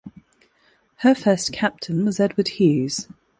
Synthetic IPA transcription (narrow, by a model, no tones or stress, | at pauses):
həfɜˑskʰap̚tʰɪ̃nwɒzɛdwəd̥̚hʉːz̥